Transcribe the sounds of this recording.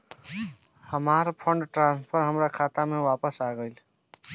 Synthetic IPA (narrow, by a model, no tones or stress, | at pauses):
həmaɾpʰəɳɖʈɾãnspʰəɾɦəmɾakʰat̪ameʋapəsaɡəɪl